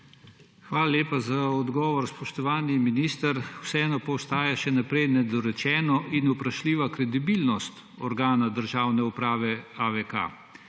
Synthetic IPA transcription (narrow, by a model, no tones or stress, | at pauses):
xʋaːlaljeːpazaɔd̪ɡɔːʋɔɾspɔʃt̪ɔʋaːniminiːst̪əɾwsɛɛnɔpɔwst̪aːjaʃɛnapɾɛjnɛd̪ɔɾɛt͡ʃɛːnɔʔinupɾaʃliːʋakɾɛd̪ibilnɔst̪ | ɔɾɡaːnad̪əɾʒaːwnɛupɾaːʋɛaʋɛka̰